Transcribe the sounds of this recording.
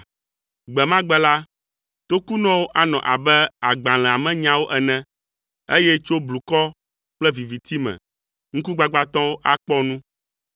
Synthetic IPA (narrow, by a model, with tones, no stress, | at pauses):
ɡ͡bɛ˨mã˦ɡ͡bɛ˦la˦ | t̪o˦ku˦nɔ̃˦wo˦ʔa˦nɔ̰̃˨ʔa˨bɛ˦a˨ɡ͡bã˨l̃ɛ̃˨a˨mɛ̃˦ɲã˦wo˦ʔɛ˨nɛ̃˦ | e˦jɛ˦t͡ʃo˦blu˨kɔ˦ | k͡plɛ˦vi˨vi˨t̪i˦mɛ̰̃˨ | ŋ̩̃˦ku˦ɡ͡ba˦ɡ͡ba˦t̪ɔ̃˦wo˦ʔa˦k͡pɔ˦nũ˦